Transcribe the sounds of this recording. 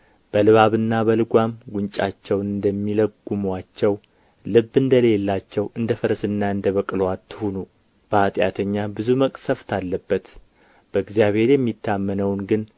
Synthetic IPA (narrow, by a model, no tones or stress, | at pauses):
b̥əlɨβaβɨnːabəlɨɡʷamɡʷuɲt͡ʃʼat͡ʃːɛwnɨnd̪əmːiləɡumwat͡ʃːɛw | lɨbːɨnd̪əle̞lːat͡ʃːɛwʔɨnd̪əfəɾsɨnːaɨnd̪əβəkʼlwat̪ʰːɨhonu | b̥əat̪ʼjat̪ʰəɲːabɨzuməkʼsəft̪ʰalːəbːət̪ | b̥əɨɡzijaβhe̞ɾjɛmːit̪ʰːamːənəwnɡɨn